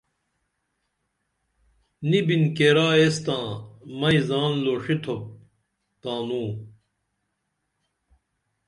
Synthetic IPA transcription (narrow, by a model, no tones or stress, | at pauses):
nibinkeːɾaːest̪ãːmɐizaːnloːʂit̪ʰop̚ | t̪aːnũː